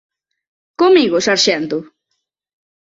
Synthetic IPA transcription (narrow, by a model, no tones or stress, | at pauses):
komiɣʊsaɾʃɛnt̪ʊ